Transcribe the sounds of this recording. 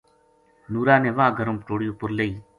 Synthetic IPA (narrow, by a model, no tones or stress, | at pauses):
nuːɾaːnẽːʋãːɡʱəɾõːmpʈoːɽjõːpʊɾleiː